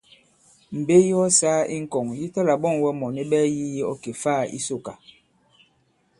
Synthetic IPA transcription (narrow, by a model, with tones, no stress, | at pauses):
m̩˨be˦ji˦ɔ˦saː˦i˦ŋ̩˦˨kɔ˨ŋji˦tɔ˦la˨ɓɔ˦˨ŋwɛ˦mɔ˨ni˦ɓɛː˦ji˦ji˦ɔ˦ke˨faː˦˨ḭ˦so˦˨ka˨